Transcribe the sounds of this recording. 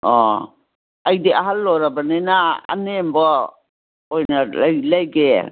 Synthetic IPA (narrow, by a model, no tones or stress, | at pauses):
ɔ | ajdeaɦalːɔɾabanenaa̰nembɔ | ɔjnalajlajɡḛ